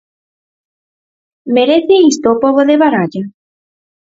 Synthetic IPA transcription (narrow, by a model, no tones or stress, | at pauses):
meɾeθeist̪oːpoβoðeβaɾaʎa